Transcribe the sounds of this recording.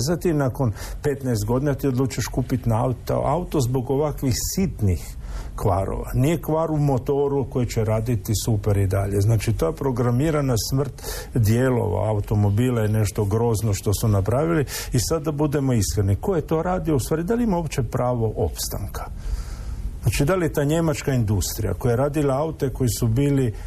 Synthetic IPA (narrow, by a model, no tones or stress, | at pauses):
zat̪inako̞npe̞t̪naest̪ɡo̞d̪inat̪iod̪luːt͡ʃaʃkuːpit̪nat̪aut̪o̞zbo̞ɡo̞ʋakʋixsit̪nix | kʋa̰ɾo̰ʋa̰nije̞kʋaːɾumo̞t̪o̞ɾuko̞jit͡ɕeɾaːd̪it̪isupeɾid̪aʎe̞znaːt͡ʃit̪ojepɾo̞ɡɾamiːɾanasmr̩t̪ | d̪je̞lo̞̰ʋa̰aut̪o̞mo̞bilajene̞ʃt̪o̞ɡɾo̞ːznoʃt̪o̞sunapɾaʋiliisad̪ːabud̪e̞mo̞iskɾed̪niko̞jet̪o̞ɾaːd̪ioust̪ʋaːɾid̪aliimaopt͡ʃe̞pɾaːʋo̞ʔo̞pst̪a̰ŋkʰḁ | znaːt͡ʃid̪alijet̪aːɲe̞mat͡ʃkaind̪ust̪ɾija̰kojaeɾaːd̪ilaaut̪e̞ko̞jisubiːli